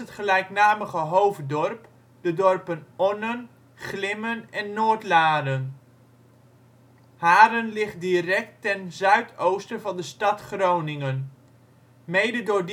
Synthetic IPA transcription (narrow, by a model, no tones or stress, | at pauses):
ətχəlɛjknaːməχəɦowfdɔrp | dədɔrpənɔnən | χlɪmənɛnːoːɹtlaːdən | haːɾənlɪχtdirɛk̚tːɛnzœɥtʰowstəvɑndəstɑtχrownɪŋən | mejdədʊːɹd